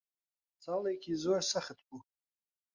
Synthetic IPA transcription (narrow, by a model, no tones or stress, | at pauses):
t͡sʰaːlejkʰʲizorsaχət̪ʰbu